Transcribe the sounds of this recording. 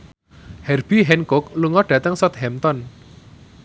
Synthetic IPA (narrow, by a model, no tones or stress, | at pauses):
hɛrb̥iɦɛnkʊk̚luŋɔɖ̥ä̤t̪əŋsɔt̪̚hɛmt̪ɔn